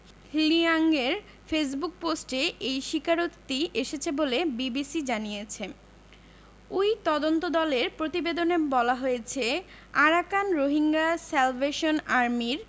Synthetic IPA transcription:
hliaŋɡeɾ | fes̬buk̚posʈeʔejʃikaɾot̪ːieʃet͡ɕʰebolebibisid͡ʑanijet͡ɕʰe | ujt̪ɔd̪ont̪od̪ɔleɾpɾot̪ibed̪onebɔlaɦojet͡ɕʰe | aɾakanɾoɦiŋɡasɛlveʃonaɾmiɾ

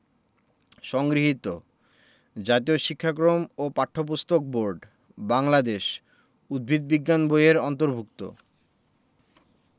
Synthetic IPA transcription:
ʃɔŋɡɾiɦit̪o | d͡ʑat̪ioʃikʰːak̬ɾomopaʈʰːop̬ust̪ok̚boɾɖ | baŋlad̪eʃ | ud̪̚bʱid̪̚biɡːanbojeɾɔnt̪oɾbʱuk̚t̪o̰

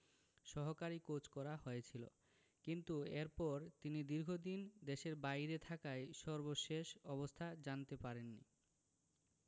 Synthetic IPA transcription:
ʃɔɦokaɾikot͡ɕkɔɾahojet͡ɕʰilo̰ | kint̪ueɾpɔɾt̪inid̪iɾɡʱod̪ind̪eʃeɾbajɾet̪ʰakajʃɔɾboʃeʃɔβost̪ʰad͡ʑant̪epaɾenːḭ

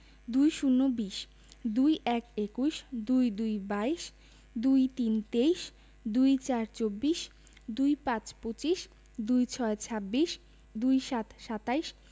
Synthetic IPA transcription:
d̪ujʃunːobiʃ | d̪ujʔɛkekuʃd̪ujd̪ujbajʃ | d̪ujt̪int̪eijʃ | d̪ujt͡ɕaɾt͡ɕobːiʃ | d̪ujpãt͡ɕpot͡ɕiʃ | d̪ujt͡ɕʰɔet͡ɕʰabːiʃ | d̪ujʃat̪ʃat̪ajʃ

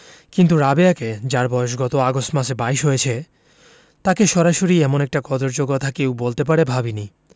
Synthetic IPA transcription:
kint̪uɾabeaked͡ʑaɾbɔeʃ̬ɡɔt̪oaɡostmaʃebaiʃɦojet͡ɕʰe | t̪akeʃɔɾaʃoɾiɛmonɛk̚ʈakɔd̪oɾd͡ʑokɔt̪ʰakewbolt̪ep̬aɾebʱabini

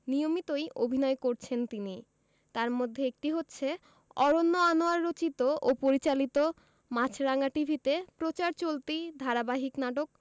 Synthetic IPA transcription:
nijomit̪ojʔobʱinɔekoɾt͡ɕʰent̪ini | t̪aɾmod̪ʱːeek̚ʈiɦotːɕʰe | ɔɾonːoanoaɾːot͡ɕit̪oʔopoɾit͡ɕalit̪o | mat͡ɕʰɾaŋaʈibʱit̪epɾot͡ɕaɾt͡ɕolt̪id̪ʱaɾabaɦiknaʈok̚

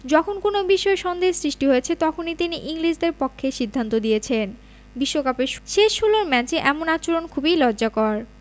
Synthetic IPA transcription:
d͡ʑɔkʰonkonobiʃɔeʃɔnd̪esɾiʃʈiɦoet͡ɕʰet̪ɔkʰonit̪iniʔiŋlid͡ʑd̪eɾpɔkʰːeʃid̪ʱːant̪od̪ijet͡ɕʰen | biʃːokapeʃʃeʃɦuloɾmɛt͡ɕeʔɛmonat͡ɕoɾonkʰubijlɔd͡ʑakɔɾ

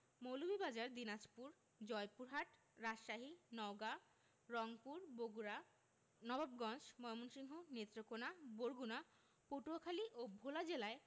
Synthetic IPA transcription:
mowlubʱibad͡ʑaɾd̪inad͡ʑpuɾ | d͡ʑɔepuɾɦaʈ | ɾaʃʃaɦinɔɡa | ɾɔŋpuɾboɡɾa | nɔbabɡɔnd͡ʑmɔjmonʃiŋɦonet̪ːɾokonaboɾɡuna | poʈuakʰaliʔobʱolad͡ʑelae

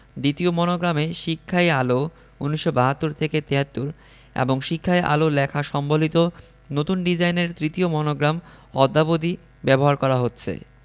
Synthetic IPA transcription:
d̪it̪iomɔnoɡɾameʃikʰːaealo | unːiʃːobaɦat̪ːuɾt̪ʰeket̪eɦat̪ːuɾ | ḛboŋʃikʰːaeʔa̰lolɛkʰaʃɔmbolit̪o | not̪unɖid͡ʑajneɾt̪ɾit̪iomɔnoɡɾam | ɔd̪ːabod̪i | bɛboɦaɾkɔɾaɦotːɕʰḛ

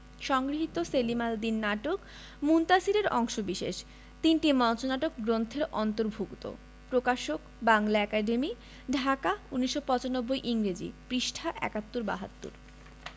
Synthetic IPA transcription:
ʃɔŋɡɾiɦit̪oselimald̪inːaʈok | munt̪asiɾeɾɔŋʃobiʃḛʃ | t̪inʈimɔnt͡ɕonaʈokɡɾont̪ʰeɾɔnt̪oɾbʱokt̪o̰ | pɾokaʃok | baŋlaɛkaɖemi | ɖʱakauniʃːopɔt͡ɕanobːojʔiŋɾed͡ʑḭpɾiʃʈʰaʔɛ̰kat̪ːuɾba̰ɦat̪ːṵɾ

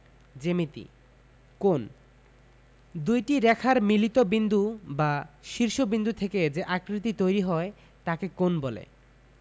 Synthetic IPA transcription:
d͡ʑemit̪ḭ | kon | d̪ujʈiɾɛkʰaɾmilit̪obind̪ʱubaʃiɾʃobind̪ut̪ʰeked͡ʑeʔakɾit̪it̪ojɾiɦɔe | t̪akekonbolḛ

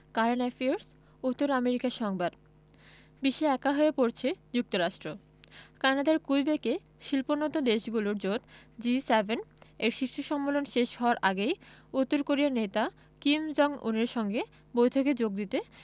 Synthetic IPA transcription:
kaɾenafioɾs | ut̪ːoɾameɾikaɾʃɔŋbad̪ | biʃeɛkaɦoepoɾt͡ɕʰed͡ʑuk̚t̪oɾaʃʈɾo | kanad̪aɾkujbeke | ʃilponot̪od̪eʃɡuloɾd͡ʑoɾd͡ʑisebeneɾʃiʃːoʃɔmːolonʃeʃhɔoaɾʔaɡejut̪ːoɾkoɾiaɾnet̪a | kimd͡ʑɔŋṵneɾʃɔŋɡe | bojt̪ʰoked͡ʑoɡ̚d̪it̪e

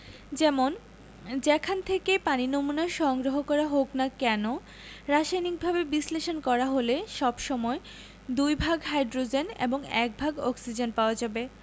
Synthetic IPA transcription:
d͡ʑɛmon | d͡ʑɛkʰant̪ʰekepaninomunaɾʃɔŋɡɾoɦokɔɾaɦoknakɛno | ɾaʃajnik̚bʱabebisleʃonkɔɾaɦoleʃɔbʃɔmɔe | d̪ujbʱaɡɦajdɾod͡ʑenḛboŋɛk̚bʱaɡɔksid͡ʑenpaoad͡ʑabe

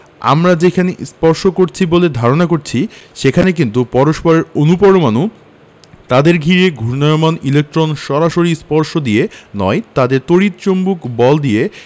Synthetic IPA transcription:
a̰mɾad͡ʑekʰanespɔɾʃokoɾt͡ɕʰiboled̪ʱaɾonakoɾt͡ɕʰiʃekʰanek̬int̪̬upɔɾoʃpɔɾeɾonupoɾomanu | t̪ad̪eɾɡʱiɾeɡʱuɾnajomanilek̚ʈɾonʃɔɾaʃoɾispɔɾʃod̪ienɔ̰et̪ad̪eɾt̪oɽit̪̚t͡ɕombukbɔld̪ie

